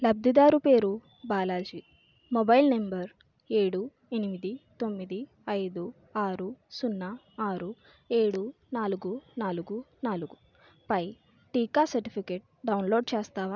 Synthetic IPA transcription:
lɐb̚d̪id̪aːɾupe̞ːɾu | baːlaːd͡ʒi | mobɐjlnembɐɾ | e̞ːɽu | enimid̪it̪o̞mːid̪i | ɐjd̪u | aːɾusunːɐ | aːɾu | e̞ːɽu | naːluɡunaːluɡunaːluɡu | pɐj | ʈiːkaːsɐɾʈipʰikeʈ̚ɖɐwnloːɖt͡ʃɛːst̪aːʋaː

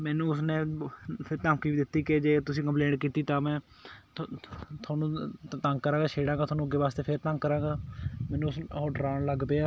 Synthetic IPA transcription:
mɛːnũːʊsnẽːpʰɪɾt̪ãːmkiːiːd̪ɪt̪ːiːked͡ʒeːt̪ʊsĩːkə̃mpleːɳʈkiːt̪iːt̪ãːmɛ̃ː | t̪ʰaːnũːt̪ãŋɡkəɾãːɡaːʃʰeːɽãːɡaːt̪ʰoaːnũːɡeːʋaːst̪eːpʰɪɾt̪ə̃ŋɡkːəɾãːɡaːmɛ̃ːnũːsoːɖɾaːnləɡpeːaː

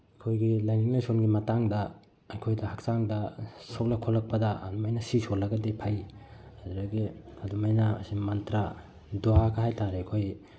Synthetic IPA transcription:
ɐkʰojɡilajniŋlajsonɡimɐtaŋdɐ | ɐjkʰojdɐhɐk̚saŋdɐsok̚lɐkʰolːɐk̚pɐdɐ̰ːdumajnɐsisolːɐɡɐdepʰaj | aɾoɡiɐdumajnɐɐ̰simɐntɾa | duakʰɐɦajtʰaɾeɐkʰoj

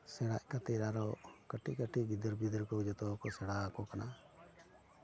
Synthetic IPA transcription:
sɛɽaʔkat̪ɛɾaɾɔkəʈiʔkəʈiɡid̪əɾbid̪əɾkɔud͡ʒɔt̪ɔkɔsɛɽakɔkana

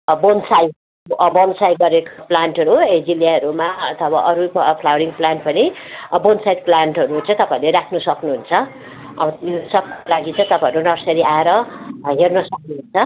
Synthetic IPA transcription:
bonsaj | bonsajɡʌɾekoplaɳʈɦʌɾued͡ziljaɦʌɾumaʌt̪ʰʌbaʔʌɾupʰlawɾiŋplaɳʈpʌnibonsajd̪̚planʈɦʌɾut͡sʰʌ̃t̪ʌpaĩleɾakʰnusʌknuɦunt͡sʰʌ | ʌ̰bʌjusʌb̚kolaɡit͡sʰʌ̃t̪ʌpajʌɾunʌrsʌɾiaeɾʌɦernʌsʌk̚nuɦunt͡sʰʌ

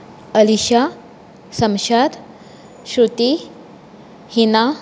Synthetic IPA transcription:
əliɕa | səmɕad̪ | ɕɾut̪i | hina

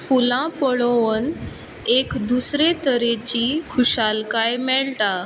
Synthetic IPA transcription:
fulãpəɭʋon | ekd̪usɾet̪əɾet͡ɕikʰuɕalkajmɛɭʈa

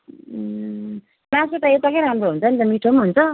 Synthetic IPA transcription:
masot̪ʌet̪ʌkʌẽɾamɾoɦunt͡sʰʌnit̪ʌmiʈʰomɦunt͡sʰʌ

